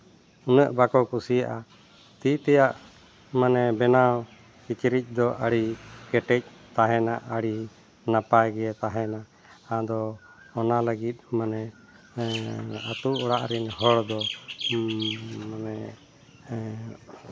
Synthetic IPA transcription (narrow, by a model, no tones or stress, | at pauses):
unəʔbakɔkusijaʔa | t̪it̪ɛjaʔ | manɛbɛnaw | kit͡ʃɾic̚ˀd̪ɔʔaɽikɛʈɛc̚ˀ | t̪aɦɛnaʔaɽi | napajɡɛɛt̪aɦɛna | ad̪ɔː | naləɡit̪̚manɛ | at̪uʔɔɽaʔɾɛnɦɔɽd̪ɔ | manɛ